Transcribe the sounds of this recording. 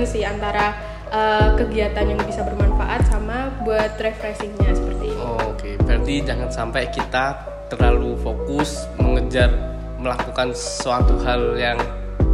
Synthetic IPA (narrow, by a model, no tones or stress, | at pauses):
ŋsɪhant̪aɾa | ʔəkəɡiat̪anjaŋbisabərmanfaʔat̪̚samabuat̪ɾefɾɛsɪŋɲasəpərt̪iokefɛrdid͡ʒaŋansampajkit̪a | t̪ərlalufokʊs | məŋəd͡ʒar | məlakukanssəwat̪uɦaljaŋ